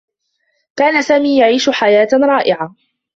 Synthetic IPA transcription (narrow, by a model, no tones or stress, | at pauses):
kaːnasaːmiːjaʕiːʃʊħajaːt̪ɾˤɑːʔɪʕa